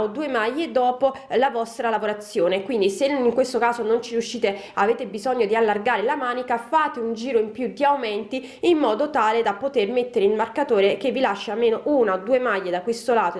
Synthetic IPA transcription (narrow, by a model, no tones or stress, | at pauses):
od̪uːemajːed̪ɔːpolavɔst̪ɾalavoɾat̪sːjoːnekwind̪iseiŋkwest̪okaːzonont͡ʃiɾjuʃːiːt̪eaveːt̪ebizɔɲːod̪ialːarɡaːɾelamaːnikafaːt̪eund͡ʒiːɾoimpjud̪iawmɛnt̪i | imːɔːd̪ot̪aːled̪apot̪ermet̪ːeɾeilmarkat̪oːɾekevːilaʃːaalmeːnoʔunaod̪ːuːemajːed̪akwest̪olaːt̪o